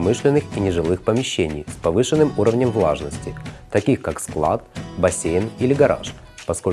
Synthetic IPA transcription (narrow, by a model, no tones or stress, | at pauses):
mɨʂlʲɪnːɨxinʲɪʐɨlˠɨxpəmʲɪɕːenʲɪjspɐvɨʂɨnːɨmuɾəvnʲəmvlˠa̰ʐnəsʲtʲɪt̪ɐkʲixkaksklˠa̰t̪̚bɐsʲejnilʲɪɡɐɾa̰ʂ | pɐsko